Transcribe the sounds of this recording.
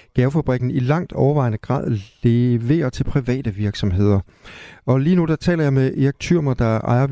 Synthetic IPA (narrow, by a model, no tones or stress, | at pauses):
ɡ̥ɛːʊfæb̥ʁiɡ̥n̩ilɑ̈ŋ̰d̥ɒʊɐʋɑ̈ɪnəɡ̥ʁɑ̰̈ð̰ˠleʋe̝̰ːɐt͡sʰe̝lpʰʁiʋɛ̰ːd̥əʋiɐɡ̥sɒ̽mɦe̝ð̞̰ˠɐ | ɒ̽liːnud̥ɑ̈t͡sʰɛ̰ːlɐjɑ̈ɪmeʔieɡ̥̚t͡sʰyɐ̰mɐd̥ɑ̈ʔɑ̈ɪɐ